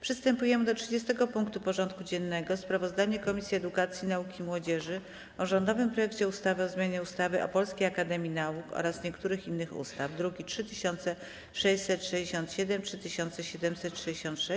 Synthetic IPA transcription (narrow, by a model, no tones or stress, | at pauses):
pʂɘst̪ɛmpujɛmɘd̪ɔtʂɘd͡ʑɛst̪ɛɡɔpuŋkt̪upɔʐɔnt̪kud͡ʑɛnːɛɡɔspɾavɔzd̪aɲɛkɔmʲisʲjiɛd̪ukat̪sʲjinaukʲimwɔd͡ʑɛʐɘ | ɔʐɔnd̪ɔvɘmpɾɔjɛkt͡ɕɛust̪avɘɔzmʲjaɲɛust̪avɘʔɔ̰pɔlskʲejakad̪ɛmʲjinaukɔ̰ɾasɲɛkt̪uɾɘxinːɘxṵst̪avd̪ɾuɡʲitʂɘt̪ɘɕɔnt̪sɛ | ʂɛɕsɛt̪ʂɛd͡ʑeɕɔ̃nt̪ɕɛd̪ɛmtʂɘt̪ɘɕɔnt̪sɛɕɛd̪ɛmsɛt̪ʂɛd͡ʑeɕɔ̃nt̪ʂɛ